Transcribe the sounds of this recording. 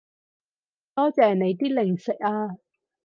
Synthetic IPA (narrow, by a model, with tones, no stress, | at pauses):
t̪ɔː˥t͡sɛː˨˩ne˨˧jt̪̬iː˥lɪ˨˩ŋsɪ˨k̚aː˧